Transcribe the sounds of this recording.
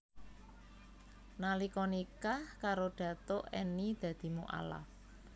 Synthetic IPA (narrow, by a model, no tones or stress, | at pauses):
nalikɔnikahkaɾoɖ̥ä̤t̪oʔɛnid̪̥ä̤d̪̥i̤muʔa̰la̰h